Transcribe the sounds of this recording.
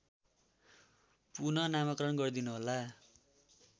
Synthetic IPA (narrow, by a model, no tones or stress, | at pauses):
punʌnamʌkrʌnɡʌrd̪inuɦola